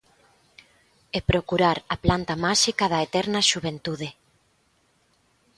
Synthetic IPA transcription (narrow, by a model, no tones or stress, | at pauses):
epɾokuɾaɾɐplant̪ɐmaʃikɐðɐet̪ɛɾnɐʃuβent̪uðɪ